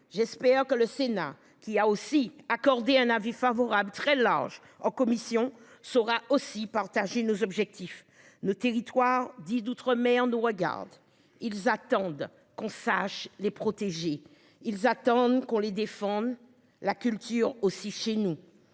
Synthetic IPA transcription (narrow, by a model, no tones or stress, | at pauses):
ʒɛspɛʁkələsena̰ | kʲiaosiakɔʁd̪eɛ̃navifavɔʁablt̪χɛla̰ʁʒ | ɑ̃kɔmisjɔ̃ | sɔʁaosipaʁt̪aʒenozɔbʒɛk̚t̪if | not̪eʁit̪waʁd̪id̪ut̪χəmɛɑ̃nuʁəɡa̰ʁd̪ | ilzat̪ɑ̃d̪ | kɔ̃saʃlepχɔt̪eʒe | ilzat̪ɑ̃d̪kɔ̃led̪efɑ̃d̪ | lakʲylt̪yʁosiʃenu